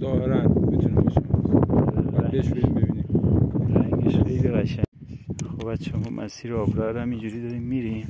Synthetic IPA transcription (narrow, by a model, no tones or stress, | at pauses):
zɒːheɾænmit̪ʰunimbeʃemzæbeʃbeɾimbebiːnimɾæŋɡeʃxejliɣæʃæŋ | xobæt͡ʃʰːɛbɔmʔæ̰siːɾɒːbɾæɾæmind͡ʒuɾiːd̪ɒːɾimːiɾim